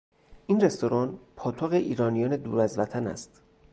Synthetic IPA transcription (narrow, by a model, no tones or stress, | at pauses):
ʔiːnre̞st̪o̞ɾɒːnpʰɒːt̪ʰoɣeʔiːɾɒːnijɒːne̞d̪uːɾæzvæt̪ʰænæ̰st̪